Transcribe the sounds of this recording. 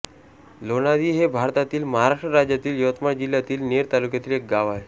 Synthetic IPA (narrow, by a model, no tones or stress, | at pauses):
lonad̪iːɦebʱaɾt̪at̪iːlməɦaɾaʂʈɾəɾad͡ʑjat̪iːljoʋət̪mad͡ʑil̤jat̪iːlneɾt̪alukjat̪iːlek̚ɡaʋaɦe